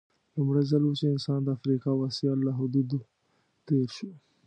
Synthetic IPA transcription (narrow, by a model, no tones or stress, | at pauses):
lʊmɽajzalwut͡ʃeɪnsɑnd̪əafɾikɑwasijalːaɦʊd̪ud̪u | t̪eɾʃu